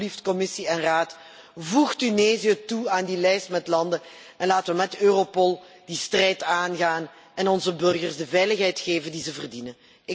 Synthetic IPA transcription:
liftkɔmɪsiɛnraːt | vuxtyneːzijətuaːndilɛjstmɛtlɑndə | ɛnlaːtəʋəmɛtøːropɔlˠ | d̥istrɛjtaːnɣaːn | ɛnɔnzəbɵrɣərzdəvɛjləxɦɛjtxeːvəndizəvərdinə | ɪ

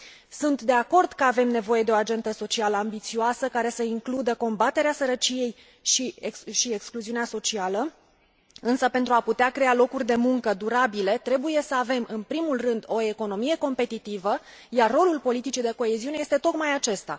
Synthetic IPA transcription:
sunt̪d̪e̞ako̞rd̪kəave̞mne̞vo̞je̞d̪e̞o̞ad͡ʒe̞nd̪əso̞t͡ʃialəambit̪sioasəkaɾe̞səiŋklud̪əko̞mbat̪e̞ɾeasəɾət͡ʃije̞j | ʃiekʃiekskluziuneaso̞t͡ʃialə | ɨnsəpe̞nt̪ɾuaput̪eakɾealo̞kurʲd̪e̞muŋkəd̪uɾabile̞t̪ɾe̞buje̞səave̞mɨnpɾimulrɨnd̪o̞e̞ko̞no̞mije̞ko̞mpe̞t̪it̪ivə | jarːo̞lulpo̞lit̪it͡ʃid̪e̞ko̞e̞ziuneje̞st̪et̪o̞k̪majat͡ʃe̞st̪a̰

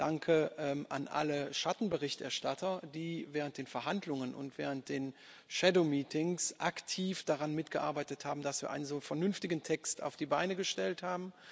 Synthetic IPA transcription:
d̥aŋkʰəʔɛmʔa̰nʔa̰ləʃatn̩bəʁɪçtʔɛ̰ɐʃtatʰɐdiːvɛːʁ̞ənt̚d̥eːnfɛɐɦandlʊŋənʊ̰ntv̥ɛ̰ːʁ̞ənt̚d̥eːn | ʃɛdomiːtɪŋsʔaktʰiːfd̥aʁanmɪtɡ̥əʔa̰ɐbaɪtəthaːbm̩d̥asv̥iːɐʔaɪnənzoːfɛɐnʏnftɪɡn̩tʰɛksta̰ʊfd̥iːbaɪnəɡəʃtɛlthaːbm̩

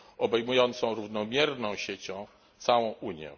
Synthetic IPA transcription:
ɔbɛjmujɔnt̪sɔ̃w̃ɾuvnɔmʲjɛɾnɔ̃w̃ɕet͡ɕɔ̃w̃ | t̪sawɔ̃w̃uɲjɛ̰̃

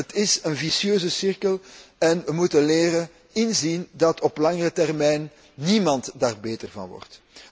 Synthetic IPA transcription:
ətɪsənvisjøːzəsɪrkəlɛnʋəmutəleːɾə | ɪnzindɑtʰɔplɑŋərətɛrmɛjnː | imɑntdaːrbeːtərvɑ̰nʋɔ̰rt

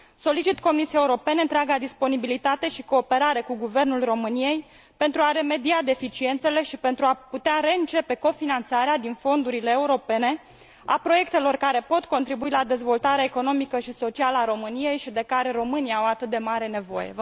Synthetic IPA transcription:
so̞lit͡ʃit̪ko̞misiaeuɾo̞pe̞neɨnt̪ɾeaɡad̪ispo̞nibilit̪at̪e̞ʃiko̞ːpe̞ɾaɾe̞kuɡuve̞rnulro̞mɨnije̞j | pe̞nt̪ɾuaɾe̞me̞d̪iad̪e̞fit͡ʃie̞nt̪se̞le̞ʃipe̞nt̪ɾuaput̪eaɾe̞ɨnt͡ʃe̞pe̞ko̞finant̪saɾead̪info̞nd̪uɾile̞ːuɾo̞pe̞ne̞ | apɾo̞je̞k̚t̪e̞lo̞rkaɾe̞po̞t̪ko̞nt̪ɾibuilad̪e̞zvo̞lt̪aɾeaeko̞no̞mikəʃiso̞t͡ʃialəaɾo̞mɨnije̞jʃid̪e̞kaɾe̞ɾo̞mɨniaawat̪ɨt̪̚d̪e̞maɾe̞ne̞vo̞̰jḛ

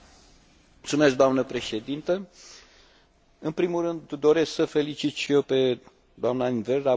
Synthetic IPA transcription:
lt̪sume̞sk̚d̪oamnəpɾe̞ʃe̞d̪int̪ə | ɨnpɾimulrɨnd̪d̪o̞ɾe̞sksəfe̞lit͡ʃit̪ʃijewpe̞ | d̪oamnainvelɾa

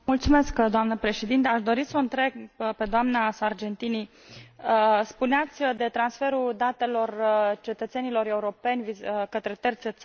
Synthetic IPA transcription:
mult̪sume̞skd̪oamnəpɾeʃed̪int̪əaʃd̪o̞ɾisəɨnt̪ɾe̞ɡpe̞d̪oamnasard͡ʒe̞nt̪ini | əspuneat̪sʲd̪e̞t̪ɾansfe̞ɾud̪at̪e̞lo̞rt͡ʃe̞t̪ət̪se̞nilo̞ɾe̞uɾo̞pe̞nʲvikət̪ɾe̞t̪ert̪set̪s

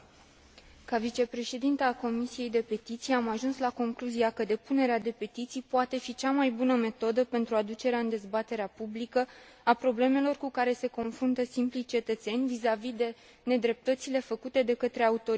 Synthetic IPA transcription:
kavit͡ʃe̞pɾe̞ʃe̞d̪int̪eako̞misije̞jd̪e̞pe̞t̪it̪sijeamaʒunslako̞ŋkluzijakəd̪e̞pune̞ɾead̪e̞pe̞t̪it̪sijpoat̪e̞fit͡ʃamajbunəme̞t̪o̞d̪əpe̞nt̪ɾuad̪ut͡ʃe̞ɾeaɨnd̪e̞zbat̪e̞ɾeapublikə | apɾo̞ble̞me̞lo̞rkukaɾe̞se̞ko̞nfɾunt̪əsimplit͡ʃe̞t̪ət̪se̞nʲvizavid̪e̞ | ne̞d̪ɾe̞p̚t̪ət̪sile̞fəkut̪e̞d̪e̞kət̪ɾe̞aut̪o̞

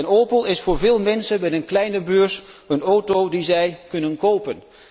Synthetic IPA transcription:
noːpəlˠɪsfʊːɹvɪːlˠmɛnsənmɛtənklɛjnəbøːɹsənowtowdizɛjkɵnənkowpən

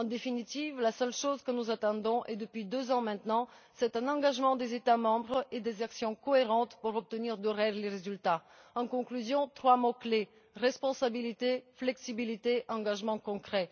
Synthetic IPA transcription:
ɑ̃d̪efinit̪ivlasœlʃozkənuzat̪ɑ̃d̪ɔ̃ʔɛd̪əpɥid̪øzɑ̃mɛ̃t̪nɑ̃ | sɛt̪ɛ̃nɑ̃ɡaʒmɑ̃d̪ezet̪amɑ̃bʁed̪ezaksjɔ̃kɔeʁɑ̃t̪puʁɔp̚t̪əniʁd̪ɔʁɛʁleʁezylt̪a | ɑ̃kɔ̃klyzjɔ̃t̪χwamɔkle | ʁɛspɔ̃sabilit̪eflɛksibilit̪eʔɑ̃ɡaʒmɑ̃kɔ̃kχɛ

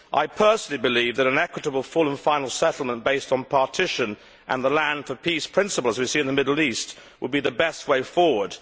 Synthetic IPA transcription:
ʔa̰ɪpʰɜ˞snl̩ˠibɨlivðɨɾɨ̃nɛkwɨɾəbl̩ˠfʊlˠə̃nfãɪ̃nl̩ˠsɛɾˡl̩ˠmə̃nb̥eɪstn̩pʰɑɹtʰɪʃɨ̃n | ʔə̰̃nðəlæ̃nd̥fə˞pʰispʰɹ̥ɪ̃nsəpl̩ˠəzwisiɨ̃nðɨmɪdˡl̩ˠist̚ | wʔəd̚biðɨbɛst̚weɪfɔɹwə˞d̥

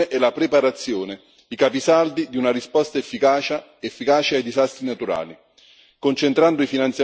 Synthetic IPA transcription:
eʔɛlapɾepaɾat̪sːjoːne | ikapisald̪id̪iunarispɔst̪aefːikat͡ʃa | efːikaːt͡ʃeajd̪izast̪ɾinat̪uɾa̰ːli | kont͡ʃent̪ɾand̪ʊifinant̪sja

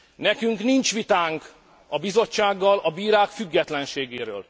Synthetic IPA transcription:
nɛkyŋknint͡ʃʋit̪aːŋk | ɒbizo̞t͡ʃːaːɡːɒlɒbiːɾaːkfyɡːɛt̪lɛnʃeːɡeːɾø̰ːl

